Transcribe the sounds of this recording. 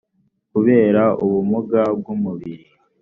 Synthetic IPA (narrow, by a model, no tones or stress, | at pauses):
kuβe̞ːɾaʔuβumuɡab̚ɡumuβiɾi